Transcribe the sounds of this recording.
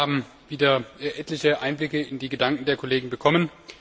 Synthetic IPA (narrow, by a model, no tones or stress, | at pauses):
aːbm̩ | viːdɐʔɛtlɪçəʔaɪnblɪkəɪndiːɡədaŋkŋ̩deːɐkʰoleːɡŋ̩bəkʰɔmən